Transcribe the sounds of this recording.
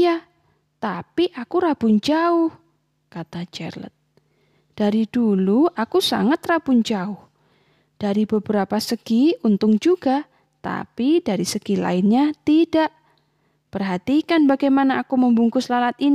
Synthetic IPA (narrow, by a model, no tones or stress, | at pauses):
ja | t̪apiʔakuɾab̥ʊɲd͡ʒaʊh | kat̪ad͡ʒɛ̰rlə̰t̪̚ | d̥aɾid̥uluʔakusa̰ŋat̪rab̥ʊɲd͡ʒaʊh | d̥aɾibəbəɾapasəɡ̥iunt̪ʊŋd͡ʒuɡa | t̪a̰pidaɾisəɡ̥ila̰ɪnɲat̪idaʔ | pərɦat̪ikanbaɡajmanaʔːkuməmbuŋkʊslalat̪in